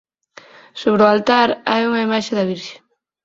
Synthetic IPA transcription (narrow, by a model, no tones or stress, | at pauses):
soβ̞ɾoalt̪aɾa̰uŋɐimaʃeðɐβiɾʃe̥